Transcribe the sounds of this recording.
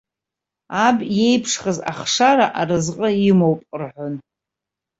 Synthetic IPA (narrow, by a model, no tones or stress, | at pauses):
abje̞jpʰʂχəza̰χʂaɾaʔarɨzqʼəimowpʼrħʷʊn